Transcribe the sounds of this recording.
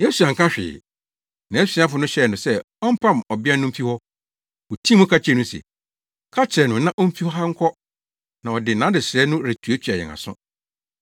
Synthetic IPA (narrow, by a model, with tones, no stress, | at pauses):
je˦su˨ã˨ŋ̩˨kʰã˦ɕᶣɪ̰ː˨ | nã˨˦sĩ˨˦a˦fʊ˨nʊ̃˦ɕɛ˦˨nʊ̃˨sɛ˦ | ɔ˦m̩˦pʰã˦m˨ɔ˨bɪ˦ɛ˦nʊ̃˦m̩˦fi˦hɔ˦ | o˨tʰĩ˦mũ˦kʰa˦t͡ɕʰɛ˨˦nʊ̃˦sɛ̰˨ | kʰa˦t͡ɕʰɪ˨ɾɛ˨nʊ̃˨nã˦ʔɔ˦m̩˦fi˦hɔ˦ɦa˦ŋ̩˦kʰɔ˦ | nã˨ɔ˨dɪ˨nã˨˦dɪ˨sɾɛ˦nʊ̃˦ɾɪ˨tʰu˨˦e˦t͡ɕʰᶣi˨a˨ɛ̰˨ŋa̰˨sʊ̰̃˦